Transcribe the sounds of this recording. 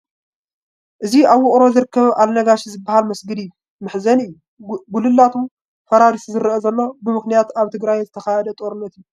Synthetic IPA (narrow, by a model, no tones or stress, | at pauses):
ʔɨziʔaβwʊχʼɾo̞zɨɾɨkʰːɐβʔalnɐɡaʃizɨbːahalmɐsɡɨd̪iːu | mɨħzɐnɨjːu | ɡulɨlːat̪ʰu | fɐɾaɾisuzɨɾʔozɐlːo̞bɨmɨxnijat̪aβt̪ʰɨɡɾajzɨt̪ʰɐxajɛd̪ɐt̪ʼoɾɨnːɐt̪ijːu